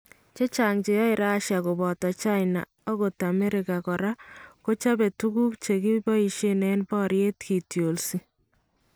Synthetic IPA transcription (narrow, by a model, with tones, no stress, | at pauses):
t͡ʃe˦t͡ʃa˨ŋt͡ʃe˨jɔ˦ɪɾa˦ʃja˨ko˨bɔ˨tɔ˨t͡ʃa˦jna̰˨ | ɔ˦ko˨ta˨mɛ˦ɾɪ˨ka˨kɔ˨ɾa˦ko˦t͡ʃa˦bɛ˨tu˦ɡu˦kt͡ʃe˨ki˦bɔ˦i˨ʃe˦nɛ˦nbɔ˦ɾje˦tki˨tjo˨lsi˦